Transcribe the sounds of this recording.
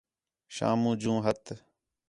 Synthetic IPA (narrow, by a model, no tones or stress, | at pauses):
ʃa̰ːmũːd͡ʒũːɦət̪ʰ